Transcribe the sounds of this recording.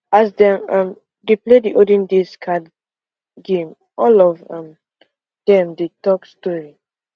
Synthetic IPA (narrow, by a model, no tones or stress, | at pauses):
asdɛ̃mãm | deplediʔodĩndiskʰad | ɡẽm | ʔɔlɔvãm | d̥ɛ̃mdetɔkstɔɹi